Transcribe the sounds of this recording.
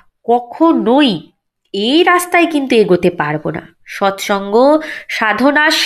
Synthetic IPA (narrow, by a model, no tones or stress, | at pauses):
kɔkʰonoj | ejɾast̪aekint̪ueɡot̪epaɾbona̰ | ʃɔt̪ʃɔŋɡoʃad̪ʱonaʃ